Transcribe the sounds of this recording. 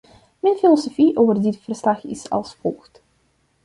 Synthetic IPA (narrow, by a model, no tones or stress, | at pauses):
mənfilɔsofiʔoːvərdɪtfərslɑxɪ̰sɑ̰lˠsfɔlˠxt